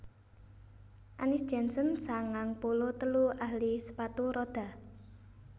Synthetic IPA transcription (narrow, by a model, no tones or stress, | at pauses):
ʔanɪsd̥ʒ̥ɛnsənsaŋaŋpulot̪əluahlisə̥pat̪uɾɔd̥a̤